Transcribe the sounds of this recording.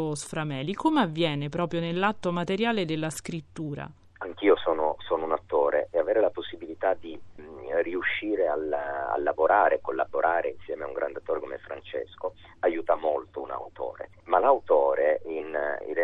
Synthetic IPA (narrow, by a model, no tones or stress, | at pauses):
osfɾamɛːlikʰomeavːjɛːnepɾɔːpɾjonelːat̪ːomat̪eɾjaːled̪elːaskɾit̪ːuːɾa̰ | aŋk̟iːosɔːnosoːnounat̪ːoːɾeʔeaveːɾelaposːibilit̪ad̪iriuʃːiːɾeala̰lːavoɾʔaːɾekːolːa̰boɾʔaːɾeinsjɛːmeauŋɡɾa̰nd̪eat̪ːoːɾeko̰meɛfɾant͡ʃḛsko | ajuːt̪amolt̪ouna̰wt̪o̰ːɾḛ | malawt̪oːɾeinḭ